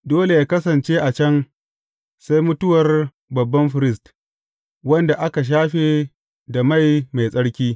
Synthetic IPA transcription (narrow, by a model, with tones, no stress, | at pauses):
doː˦le˨jaː˦kɐ˦sɐ˨nt͡ʃeː˦ʔa˨t͡ʃɐ˦n | sa˦jmʊ˦tʊ˦wɐ˨r | bɐ˨bːɐ˦mɸɪ˨ɾɪ˦st | wɐ˦nda˨ʔa˦ka˨ʃ̬aː˦ɸe˨ | da˨ma˦˨jma˨jsʼɐ˦ɽkʲiː˦